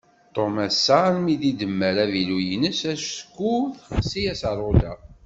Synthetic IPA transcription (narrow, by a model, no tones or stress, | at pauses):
t̪ˤːomæsːaɾmiðid̪əmːəɾævilujənəsæʃskːuðsijæsəɾˤod̪æ